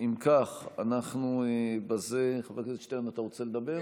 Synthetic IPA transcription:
imkaχanaχnubaze̞χavakezʃt̪eanat̪aʁot͡seled̪abe̞

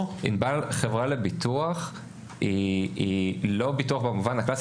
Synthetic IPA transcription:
ḭnbalχevʁalebit̪uaχ | iilo̞bituaχbemuvanhaklas

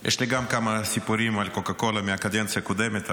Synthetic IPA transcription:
jɛ̰ʃleɡamkamasipuɾimalkokakolameakad̪ent͡sijakod̪emet̪

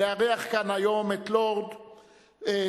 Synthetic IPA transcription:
eaʁiaχkanajo̞met̪loʁd̪ | e

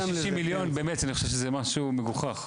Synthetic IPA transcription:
ʃimːiljonbeːmetaniχoʃevʃezemaʃumeɡuχaχ

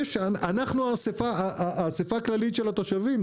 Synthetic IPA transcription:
ʃaanaχnuasefaaʔasefaːklalit̪ʃelat̪o̞ʃavim

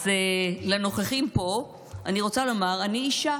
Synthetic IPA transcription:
zeleno̞χeχimpo̞ | aniʁo̞t͡salo̞maʁaniiʃa

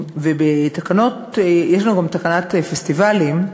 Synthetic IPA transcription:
vebet̪akano̞t̪jeʃlanuɡamt̪akanat̪efest̪ivalim

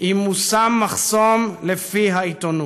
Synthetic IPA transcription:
imusamːaχsomlefiɦaitonu

